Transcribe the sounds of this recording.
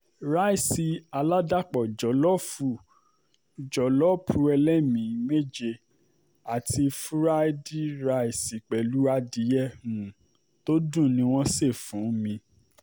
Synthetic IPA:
ɾa˦i˦˨si˧a˧la˦da˦˨k͡pɔ˨d͡ʒɔ˨˦lɔ˦fu˧˨ | d͡ʒɔ˨˦lɔ˦pʰu˧˦ɛ˧lɛ˦mĩ˨˦me˦d͡ʒe˧ | a˨tʰi˧fɾa˦di˦ɾa˧˦i˦˨si˨k͡pɛ˨lu˦a˦di˧˦jɛ˦˨hũ˨ | to˦dũ˦˨nĩ˧˦w̃ɔ̃˦se˦˨fũ˨˦mĩ˧

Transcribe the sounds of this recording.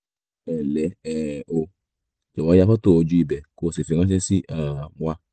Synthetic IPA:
ɛ˨lɛ˨˦ɛ˨o˧ | d͡ʒo˨ɔ̃˨˧˦a˧fɔ˦to˦˨o˧d͡ʒu˦i˧˨bɛ˨ko˦˧˨si˨fi˧ŋã˦ʃɛ˦si˦ʔa˦˨wʷa˧

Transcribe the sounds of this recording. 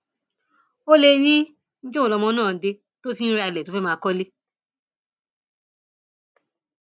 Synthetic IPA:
o˦le˧nĩ˦ | n̩˦d͡ʒo˦o˨lɔ˧mɔ̃˧˦nãː˦˨de˧ | to˦ti˦n̩˦ɾa˧i˧lɛ˨to˨˦fɛ˦mãː˧kɔ˦le˦

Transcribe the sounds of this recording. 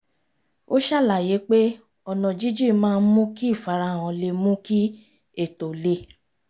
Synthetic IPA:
o˦ʃa˦˨la˨je˨˦k͡pe˦ | ɔ˧˨nɔ̃˨d͡ʒi˦d͡ʒi˦˨mãː˦˧n̩˦mũ˦ki˦i˦˨fa˨˦ɾa˧˨w̃ɔ̃˨le˧˨mũ˦ki˦ | e˦˨to˨le˧˨

